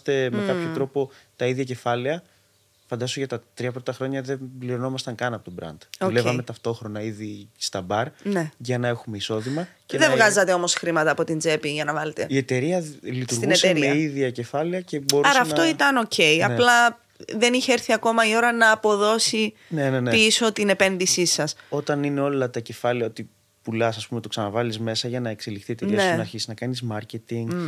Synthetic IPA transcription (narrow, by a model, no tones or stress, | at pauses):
st̪e̞mekɐpço̞t̪ɾo̞po̞t̪ɐiðʝɐce̞fɐleɐ | fɐnd̪ɐsoʝɐt̪ɐt̪ɾiɐpɾot̪ɐxɾo̞ɲɐðe̞bliɾo̞no̞mɐst̪ɐŋkɐnɐpo̞t̪obɾɐ̰nd̪̥oulevɐme̞t̪ɐft̪o̞xɾo̞nɐiðist̪ɐbɐɾne̞ʝɐnɐe̞xume̞iso̞ðimɐceðevɣɐzɐt̪e̞o̞mo̞sxɾimɐt̪ɐːpo̞t̪ind͡ze̞piʝɐnɐvɐlet̪e̞̰ie̞t̪e̞ɾiɐlit̪usɾɣunetseɾieiðiɐce̞fɐliɐce̞bo̞ɾɐɐɾsɐɐft̪o̞it̪ɐno̞ce̞jɐplɐ | ðe̞niçeeɾθiɐko̞mɐio̞ɾɐnɐːpo̞ðo̞si | nenenepiso̞t̪ine̞pe̞nðisisɐso̞t̪ɐnine̞o̞lɐt̪ɐce̞fɐleɐot̪i | pulɐsɐspume̞t̪oksɐnɐvɐlizme̞sɐʝɐnɐekselixθiet̪eɾiɐnseinɐɾçisiznɐkɐnizmɐɾcet̪iŋɡ